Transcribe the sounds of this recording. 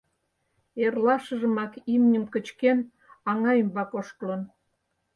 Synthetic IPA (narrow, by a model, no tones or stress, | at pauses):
erlɑʃəʒəmɑkimnʲəmkət͡ɕken | ɑŋɑjəmbɑkoʃt̪lən